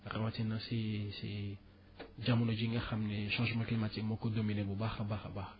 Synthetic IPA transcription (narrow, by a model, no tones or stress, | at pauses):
ɾawatinãsesḛ | d͡ʒamunod͡ʒĩŋɡaxamniʃãʒmãklimatikmokodominebobaxabaxaba